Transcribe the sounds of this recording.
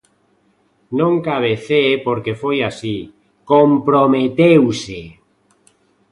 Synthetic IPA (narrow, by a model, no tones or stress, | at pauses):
nõŋkaβ̞eθepoɾkefojasi | kompɾomet̪ewse